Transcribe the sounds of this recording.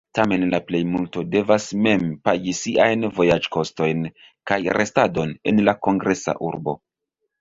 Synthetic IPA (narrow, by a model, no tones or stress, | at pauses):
tame̞nlaple̞jmulto̞de̞vasme̞mpaɡisiʔajnvo̞jad͡ʒko̞sto̞jn | kajɾʔe̞stado̞ne̞̰nlako̞ŋɡɾʔe̞sa̰ʔṵɾbo̞̰